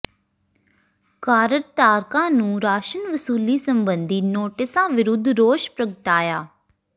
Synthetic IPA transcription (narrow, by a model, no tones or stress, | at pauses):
kaːɾəɾt̪aːɾkãːnũːɾaːʃənʋəsuːliːsəmbənd̪iːnoːʈɪsãːʋɪɾʊd̪ʱɾoːʃpɾəɡəʈaːjaː